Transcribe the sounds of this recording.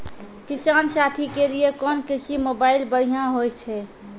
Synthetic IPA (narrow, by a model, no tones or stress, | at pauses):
kisansat̪ʰikeliekɔnkisʰimobailbəɽ̤ijãɦojt͡ʃʰɛ